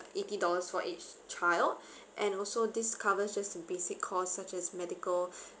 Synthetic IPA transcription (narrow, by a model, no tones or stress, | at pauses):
etidɔləsfɔʔet͡ʃt͡ʃaɪld | ʔɛ̃nɔlsodiskʰavəsd͡ʒastəbesɪkʰːɔsːat͡ʃɛsmɛdikəl